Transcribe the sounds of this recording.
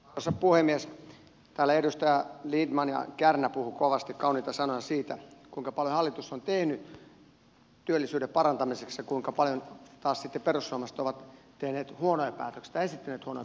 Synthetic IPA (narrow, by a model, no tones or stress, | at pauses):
osɑpuhemːies | t̪æːlːæedust̪ɑjælidmɑnjɑ̰kærnæpuhukoʋɑst̪ikkɑuniːt̪ɑsɑnojɑsiːt̪ækuiŋkɑpɑljohɑlːit̪usːont̪ehny | t̪yølːisyːdeppɑrɑnt̪ɑmiseksjɑkuiŋkɑpɑljont̪ɑːssit̪ːeperusːoɑːmɑst̪oʋɑt̪t̪ehneːt̪huonojɑpæ̰ːt̪øksi̥t̪ɑesit̪ːæneːt̪huonoj